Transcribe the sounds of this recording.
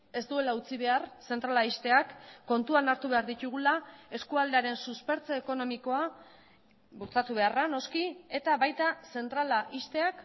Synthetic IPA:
e̞st̪ue̞laut͡siβ̞e̞arse̞nt̪ɾalaist̪e̞akːo̞nt̪uanaɾt̪uβe̞aɾðit̪uɣ̞ulae̞skuald̪e̞aɾe̞nsuspe̞ɾt͡soeko̞no̞miko̞a | buɾt͡sat̪uβ̞e̞arano̞skie̞t̪aβajt̪ase̞nt̪ɾalaʔist̪e̞ak

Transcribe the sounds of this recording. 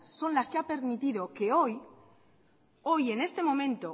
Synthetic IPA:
so̞nlaskeape̞ɾmit̪iðo̞ke̞o̞j | o̞je̞ne̞st̪e̞mõ̞mẽ̞nt̪o̞

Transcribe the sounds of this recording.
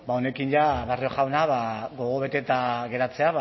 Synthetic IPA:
bao̞ne̞kinʝaβario̞ʝawnaβaɣo̞ɣ̞o̞βe̞t̪e̞t̪aɣe̞ɾat͡se̞aβ

